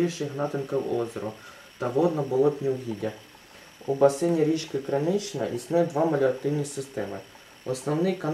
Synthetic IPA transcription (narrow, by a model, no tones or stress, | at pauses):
iʃɪɦnɑt̪ɪnkɐwɔzʲɔɾʊ | t̪ɐʋɔd̪nɔbʊlˠɔpʲnʲiwɦʲidʲɐ | ubɐsɪnʲiɾʲit͡ʃkɪkɾɐnɪt͡ʃɪnɐ̰ʔisnɛjɛd̪ʋɑmɐlʲʊɐt̪ɪwnʲisɪst̪ɛmɪ | ɔsnɔwnɪjkɐn